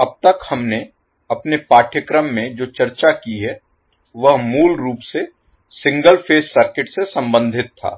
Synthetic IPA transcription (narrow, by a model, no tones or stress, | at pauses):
ɐb̚t̪əkhɐmne | ɐpnepaːʈʰjəkɾəmːẽd͡ʒoːt͡ʃɐɾt͡ʃakiɦɛ | ʋɐɦmuːlɾuːpse | sɪ̃ŋɡəlpʰeːssəɾkɪʈsesɐ̃mbə̃nd̪ʱɪt̪ʰːa̰ː